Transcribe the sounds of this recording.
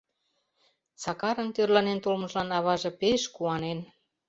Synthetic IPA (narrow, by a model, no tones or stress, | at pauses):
sɑkɑɾɤ̆nt̪ørlɑnent̪olmɤ̆ʒlɑnɑβɑʒɤ̆peʃkuɑnen